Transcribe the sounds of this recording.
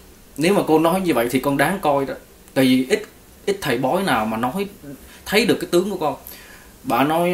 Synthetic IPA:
ne˨˦wmaː˨˩ko˧nɔ˨˦jɲɨ˧və̰˧˨jt̪ʰi˨˩kɔ˧nɗaː˨˦ŋkɔ˧jɗɔ˨˦ | t̪a̰ː˧˨jvi˨˩ʔi˦˥t̚ | ʔi˦˥t̚t̪ʰə˨˩jɓɔ˨˦jnaː˨˩wmaː˨˩nɔ˨˦jt̪ʰə˨˦jɗɨ˨˩əkːaː˦jt̪ɨ˨˦əŋku˧˩əkɔ˧n | ɓa̰ː˧˨nɔ˨˦j

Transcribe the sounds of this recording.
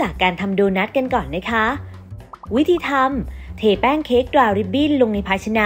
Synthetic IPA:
t͡ɕaː˨˩kːaː˧nt̪ʰa˧mdoː˧na˦˥t̪̚ka˧nkɔː˨˩nːa˦˥jkʰa˦˥ | wi˦˥t̪ʰiː˧t̪ʰa˧mt̪ʰeː˨˩pɛː˥˩ŋkʰeː˦˥k̚dɾaː˧ɾi˦˥p̚biː˥˩nlo˧ŋna˧jpʰaː˧t͡ɕʰa˧naː˧

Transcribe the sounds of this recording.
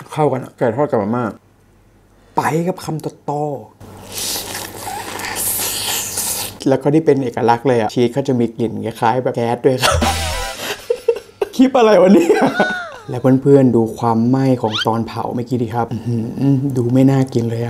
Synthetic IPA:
kʰa˥˩wka˧nʔa̰˧˩kaː˧˨˩t̪ʰɔː˥˩t̚ka˨˧˩ma˧˩maː˥˩k̚ | pa˧˩jka˨˦˩p̚kʰa˧mt̪ɔ˨˧˩t̪ɔː˧˩ | lɛː˦˥kɔː˥˩t̪iː˥˩pe˧nʔeː˨˩ka˧la˦˥k̚lɤː˧jʔa˨˩t͡ɕʰiː˦˥t̪̚kʰa˥˩wt͡ɕa˨˩miː˧kli˨˩nka˧˩kʰaː˦˥jbɛː˨˩kɛː˦˥t̪̚du˥˩əjkʰa˦˥p | kʰi˦˥p̪̚ʔa˧ɾa˧jwa˧nːiː˦˥˩ʔa˨˩ | lɛː˦˥wpʰɯː˥˨npʰɯ˥˩ənduː˧kʰwaː˧mːa˥˩jkʰɔː˩˦ŋt̪ɔː˧npʰa̰˨˩˦wmaː˦˥˩kiː˦˧diː˨˩kʰa˦˥p̚ʔhɯ˩˦˧duː˧ma˥˩jnaː˥˩ki˧nlɤː˧jʔa˨˩

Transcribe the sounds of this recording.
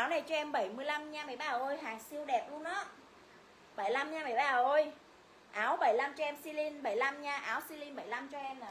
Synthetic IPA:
ʔaː˨˦wna˨˩jt͡ɕɔ˧ʔɛ˧mɓə˧˩jmɨ˧əjla˧mɲaː˧mə˧˩jɓaː˧˩˨ʔo˧jɦaː˨˩si˧əwɗɛ˨˩p̚ɗu˧ənɗɔ˨˦ | ɓə˧˩jla˧mɲaː˧mə˧˩jɓaː˧˩˨ʔo˧j | ʔaː˨˦wɓə˧˩jla˧mt͡ɕɔ˧ɛ˧msi˧li˧nɓə˧˩jla˧mɲaː˧ʔaː˨˦wsi˧li˧nɓə˧˩jla˧mt͡ɕɔ˧ʔɛ˧ma˨˩

